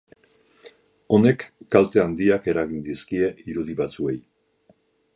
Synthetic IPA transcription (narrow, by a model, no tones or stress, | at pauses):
o̞ne̞kːalt̪e̞and̪iake̞ɾaɣind̪iskie̞iɾuð̞iβat͡sue̞j